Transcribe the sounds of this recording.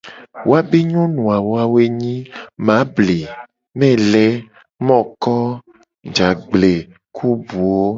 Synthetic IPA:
wʔo˦a˦be˦ɲõ˦nũ˨a˨wo˦a˦we˦ɲĩ˦mã˨˦ble˨ | mɛ̃˦lɛ˦ | mɔ̃˦kɔ˦ | d͡ʒa˨ɡ͡ble˨ | kʰu˦bu˨o˦

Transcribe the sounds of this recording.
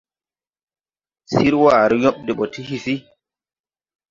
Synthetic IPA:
si˦ɾwaː˨ɾɛ˦jɔ˦ɓ̚de˨ɓɔ˨tʰi˦hi˨fi˦

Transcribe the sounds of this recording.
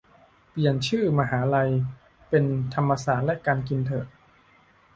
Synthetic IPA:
pli˨˩ənt͡ɕʰɯː˥˩ma˧ɦaː˩˦la˧j | pe˧nt̪ʰa˧mːa˧saː˩t̪̚lɛ˦˥kaː˧nki˧nt̪ʰɤː˨˩

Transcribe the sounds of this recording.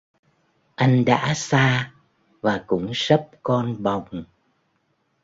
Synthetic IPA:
ʔa˧jŋ̟ɗa̰ː˧˥saː˧ | vaː˨˩kʊ̰˧˥ŋ͡msə˦˥p̚kɔ˧nɓa˨˩wŋ͡m

